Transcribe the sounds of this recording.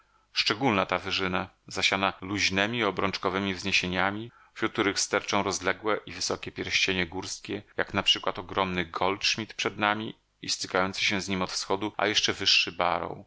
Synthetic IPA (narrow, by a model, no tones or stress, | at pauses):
ʂt͡ʂɛɡulnat̪avɘʐɘna | zaɕanaluʑnɛmʲiɔbɾɔnt͡ʂkɔvɛmʲivzɲeɕeɲamʲi | ɕut̪̚t̪uɾɘxst̪ɛɾt͡ʂɔ̃w̃ɾɔzlɛɡwɛʔivɘsɔkʲɛpʲjɛɾɕt͡ɕeɲɛɡuɾskʲɛjaknapʂɘkwat̪ɔɡɾɔmnɘɡɔltʂmʲit̪pʂɛd̪namʲi | ist̪ɘ̥kajɔnt̪sɘɕɛ̃zɲimɔt̪fsxɔd̪uʔa̰jɛʂt͡ʂɛvɘʂːɘba̰ɾɔ̰w